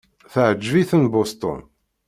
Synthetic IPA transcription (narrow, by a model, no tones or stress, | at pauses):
θəʕəd͡ʒːviθənbost̪ʊ̰n